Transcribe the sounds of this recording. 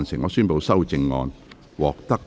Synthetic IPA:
nsɪ˨˩ŋɔː˨˧syː˥npo˨˧wsɐ˥wt͡sɪ˧ŋːɔ̰ː˧n | wɔː˨k̚t̪ɐ˥k̚

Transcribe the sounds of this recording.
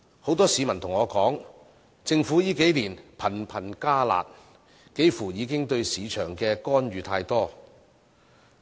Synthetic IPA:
ho˨˥wt̪ɔː˥siː˨˧mɐ˨˩nt̪ʰʊ˨˩ŋɔː˨˧kɔː˨˥ŋ | t͡sɪ˧ŋfu˨˥jiː˥ke˨˥jliː˨˩npʰɐ˨˩npʰɐ˨˩nkaː˥la̰ː˨t̚ | ke˥jfuː˨˩jiː˨˧kɪ˥ŋt̪ɵ˧ɥsiː˨˧t͡ʃʰœː˨˩ŋkɛː˧kɔː˥nɥyː˨˧t̪ʰaː˧jt̪ɔː˥

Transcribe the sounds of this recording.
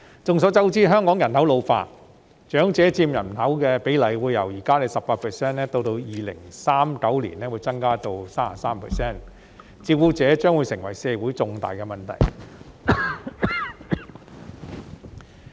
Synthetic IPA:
t͡sʊ˨ŋsɔː˨˥t͡sɐ˥wt͡siː˥ɦœː˥ŋkɔː˨˥ŋjɐ˨˩nhɐ˨˥wlo˨˧wfa̰ː˧t̚ | t͡ʃœː˨˥ŋt͡sɛː˨˥t͡siː˧mjɐ˨˩nhɐ˨˥wkɛ˧pe˨˥jlɐ˨˩jwuː˨˧jːɐ̰˨˩wjiː˨˩kaː˥le˨˧jsɐ˨pːaː˧k̚pʰɛː˨sɛː˥˩nɛ˥t̪o˧wt̪o˧wjiː˨lɪ̰˨˩ŋsaː˥mkɐ˨˥wlḭ˨˩nɛː˥wuː˨˧jt͡sɐ˥ŋkaː˥t̪o˧wsaː˥ma̰˨saː˥mpʰɛ̰ː˨sɛː˥˩n | t͡siː˧p̚wu˨˥t͡sɛː˨˥t͡ʃœː˥ŋwu˨˧jsɪ˨˩ŋwɐ˨˩jsɛː˧wuː˨˥jt͡sʊ˧ŋt̪a̰ː˨jkɛ˧mɐ˨nt̪ʰɐ̰˨˩j

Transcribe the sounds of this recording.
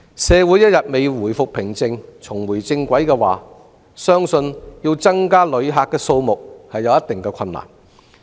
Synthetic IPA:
sɛː˨˧wuː˨˥jɐ˥t̚jɐ˨t̚me˨jwuː˨˩jfʊ˨k̚pʰɪ˨˩ŋt͡sɪ˧ŋt͡sʰʊ˨˩ŋwuː˨˩jt͡sɪ˧ŋkʷɐ˨˥jkɛː˧waː˨ | sœː˥ŋsɵ˧njiː˧wt͡sɐ˥ŋkaː˥lɵ˨˧ɥɦaː˧kːɛː˧so˧wmʊ˨k̚hɐ˨jːɐ˨˧wjɐ˥t̪ɪ˨ŋkɛː˧kʰɐ˧nla̰ː˨˩n

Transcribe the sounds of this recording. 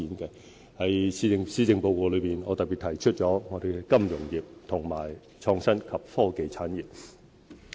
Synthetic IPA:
iː˨˥nkɛː˧ | hɐ˨˥jsi˧ŋsiː˧˥t͡sɪ˨˧ŋpo˧wkɔː˨˧lɵ˨˧ɥpiː˨˩nɔː˨˧t̪ɐ˨k̚pi˨˩t̪ʰɐ˨˩jt͡ʃʰɵ˥t̚t͡ʃɔː˨˥ŋɔː˨˧ɾe˨jkɛ˧kɐ˥mjʊ˨˩ŋjiː˨p̚t̪ʰʊ˨˩ŋmaː˨˩j | t͡ʃʰɔː˧ŋsɐ˥nkʰɐ˨p̚fɔː˥ke˨˧jt͡sʰaː˨˥nji˨p̚

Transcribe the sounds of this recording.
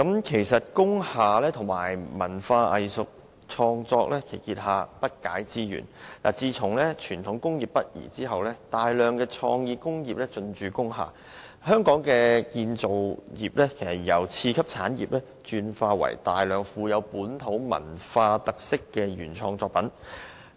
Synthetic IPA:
kɐ˨˥mkʰe˨˩jsɐ˨t̚kʊ˥ŋhaː˨lɛː˥t̪ʰʊ˨˩ŋma̰ː˨˩jmɐ˨˩nfaː˧ʔɐ˨jsʊ˨k̚ | t͡ʃʰɔː˧ŋt͡sɔː˧k̚lɛː˥kʰe˨˩kiː˧t̚haː˨pɐ˥t̚kaː˨˥jt͡siː˥jy̰ː˨˩nla̰ː˨˩t͡siː˧t͡sʰʊ˨˩ŋlɛː˥t͡ʃʰyː˨˩nt̪ʰʊ˨˥ŋkʊ˥ŋjiː˨pːɐ˥t̚jḭː˨˩t͡siː˥ɦɐ˨wlɛː˥t̪aː˨jlœː˨˧ŋkɛː˧t͡ʃʰɔ̰ː˧ŋjiː˧kʊ˥ŋjiː˨p̚lɛ˥t͡ʃɵ˧nt͡ʃyː˨kʊ˥ŋha̰ː˨˩ | hœː˥ŋkɔː˨˥ŋkɛː˧kiː˧nt͡so˨wjiː˨p̚lɛː˥kʰe˨˩jsɐ˨˩t̚jɐ˨˩wt͡sʰiː˧kʰɐ˥p̚t͡sʰaː˨˥njḭː˨p̚lɛː˥ | t͡ʃyː˧nfaː˧wɐ̰˨˩jt̪aː˨jlœː˨˧ŋfuː˨˧jɐ˨˧wpuː˨˥nt̪ʰo˨˥wmɐ̰˨˩nfaː˧t̪ɐ˨k̚sɪ˥kːɛ˧jyː˨˩nt͡ʃʰɔː˧ŋt͡sɔː˧k̚pɐ˨˥n

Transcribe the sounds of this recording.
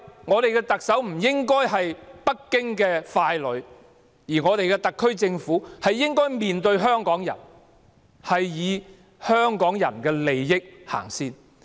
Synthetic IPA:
ŋɔː˨˧t̪e˨jkɛ˧t̪ɐ˨k̚sɐ˨˥wm̩˨˩jɪ˥ŋkɔː˥jɦɐ˨jpɐ˥kːɪ˥ŋkɛː˧faː˧jlɵ˨˧ɥ | jiː˨˩ŋɔː˨˧t̪e˨jkɛ˧t̪ɐ˨kʰːɵ˥ɥt͡sɪ˧ŋfuː˨˥hɐ˨jːɪ˥ŋkɔː˥jmiː˨nt̪ɵ˧ɥɦœː˥ŋkɔː˨˥ŋjɐ̰˨˩n | hɐ˨jjiː˨˧ | hœː˥ŋkɔː˨˥ŋjɐ̰˨˩nkɛː˧le˨jːɪ˥k̚ha̰ː˨˩ŋsiː˥n

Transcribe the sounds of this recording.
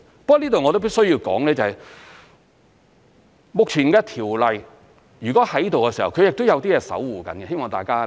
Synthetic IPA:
pɐ˥kːniː˥t̪o˨wŋɔː˨˧t̪o˥wp̬i˥sɵ˥ɥjiː˧wkɔ̰ː˨˥ŋlɛː˥t͡sɐ˨˩hɐ˨j | mʊ˨k̚t͡sʰi˨˩nkɛː˧t̪ʰiː˨˩wlɐ˨j | jyː˨kɔː˨˥hɐ˨˥jiː˥t̪o˨wkɛː˧siː˨˩hɐ̰˨wkʰjɪ˨k̚t̪o˥wjɐ˧wt̪iː˥jɛː˨˧sɐ̰˨˥wwuː˨kɐ̰˨˥nkɛ˧he˥jmɔː˨ŋt̪a̰ː˨˩jkaː˥

